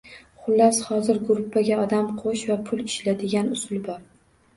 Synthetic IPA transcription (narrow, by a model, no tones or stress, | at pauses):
χʊlːashɒzɪɾɡʊɾʊpːaɡʲaɒd̪amqʰoʃvapʰʊlɪʃlad̪ɪɡʲanʊsʊlˠbɒɾ